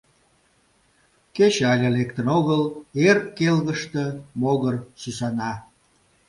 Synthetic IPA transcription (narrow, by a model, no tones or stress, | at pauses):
ket͡ɕɑlʲelekt̪ənoɣəlerkelɣəʃt̪əmoɣərsysɑnɑ